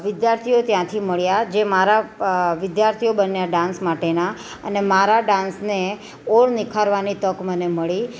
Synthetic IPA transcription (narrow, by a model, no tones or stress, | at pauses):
ʋɪd̪jaɾt̪ʰiot̪jãt̪ʰiməɭjad͡ʒemaɾaʋɪd̪jaɾt̪ʰijobənjaɖãnsmaʈena | ənemaɾaɖãnsne | oɽnɪkʰaɾʋanit̪əkməneməɭi